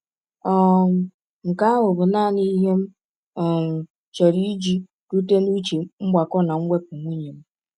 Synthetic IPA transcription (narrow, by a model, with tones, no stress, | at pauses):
ɔ˨ | ŋ̩˨ka˦ɦʊ˨bʊ˨na˦˨ni˦ɦe˦m̩˦˨ | t͡ʃɔ˨ɾi˦d͡ʒi˦ | ɾu˦te˦nu˦t͡ʃi˨ŋ͡m̩˦ɡ͡ba˨kɔ˦na˨ŋ̩˦ɡʷe˦k̚u˨ŋʷu˦ɲe˨m̩˦